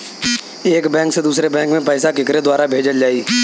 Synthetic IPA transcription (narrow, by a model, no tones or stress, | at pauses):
eːkbɛ̃ːŋksed̪uːsɾebɛ̃ːŋkmẽpɛːsakɪkɾed̪waːɾabʱeːd͡ʒəld͡ʒaːiː